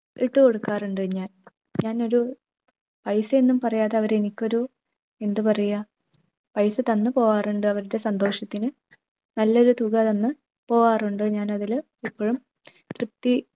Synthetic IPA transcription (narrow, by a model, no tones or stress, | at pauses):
iʈːɨko̞ɽukːaːruɳɖɨɲaːn | ɲaːno̞ɾu | pɐjsɐenːumpɐrɐjaːðeɐʋɐɾe̞nikʲːo̞ɾu | e̞nd̪ɨpɐrɐjːɐ | pɐjsɨt̪ɐnːɨpo̞ːaːruɳɖɨɐʋɐɾuɽe̞sɐnd̪o̞ːʂɐt̪ːinɨ | nɐlːɐo̞ɾut̪uɣɐt̪ɐnːɨ | po̞ːʋaːruɳɖɨɲaːnɐðil | ipːoːɻum | t̪rɨp̚t̪i